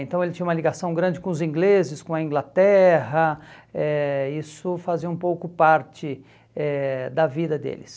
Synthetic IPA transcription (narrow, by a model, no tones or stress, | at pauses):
ẽnt̪ɐ̃w̃elɪt͡ʃĩɲũmɐliɡasɐ̃w̃ɡɾɐ̃nd͡ʒɪkõʊzĩɡlezɪskõɐĩɡlat̪ɛɦɐɛisʊfaziɐũpowkʊpaɾt͡ʃɪ | ɛd̪ɐvid̪ɐd̪ḛlɪs